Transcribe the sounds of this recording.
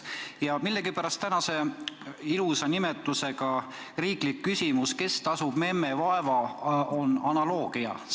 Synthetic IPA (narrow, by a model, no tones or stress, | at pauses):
jɑmilːeɡipæɾɑst̪ænɑse̞ | ilusɑnimet̪ːˑuse̞ɡ̥ɑ | riːklikːysʲimuske̞st̪ɑsub̥me̞mːevɑe̞vɑo̞nɑnɑlo̞ːɡ̥iɑ̰